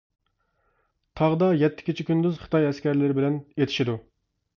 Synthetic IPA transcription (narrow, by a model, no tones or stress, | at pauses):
t̪ʰɑʁd̪ɑjɛt̪ʰːɪ̥kʲʰit͡ʃʰikʲynd̪yzχə̥t̪ʰɑjɛskʲɛɾlɪɾɪbɪlɛnet̪ʰɪ̥ʃid̪u